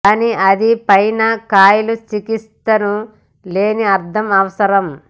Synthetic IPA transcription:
kaːniʔɐd̪ipɐjnɐkaːjlut͡ʃikist̪ːɐnu | le̞ːniɐɾt̪ʰɐmɐʋɐsɐɾɐm

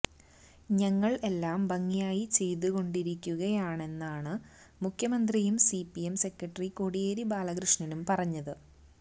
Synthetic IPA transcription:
ɲɐŋːɐɭe̞lːaːmbɐŋːijaːjit͡ɕe̞jt̪uɣo̞ɳɖiɾikʲːuɣɐjaːɳe̞nːaːɳɨ | mukʰjɐmɐnd̪rijumsipiemse̞krɐʈːriko̞ɽijeːɾibaːlɐɣɾɨʂɳinumpɐrɐɲːɐðɨ

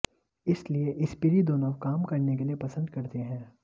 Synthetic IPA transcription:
ɪslieʔɪspɪɾid̪oːnokaːmkɐɾnek̬eliepɐsə̃nd̪kɐɾt̪eɦɛ̃ː

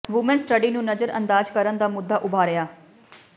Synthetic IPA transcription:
ʋʊmənsʈəɖiːnũːnəd͡ʒəɾə̰nd̪aːd͡ʒkəɾənd̪aːmʊd̪ːaːʔʊbʱaːɾɪjaː

